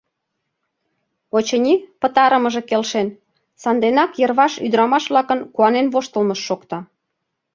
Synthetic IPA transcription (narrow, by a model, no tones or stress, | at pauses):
ot͡ɕə̆nʲipə̆t̪ɑɾəmə̆ʒĕkelʃen | sɑnd̪enɑkjərβɑʃyd̪ɾɑmɑʃβlɑkənkuɑnenβoʃt̪əlməʃːokt̪ɑ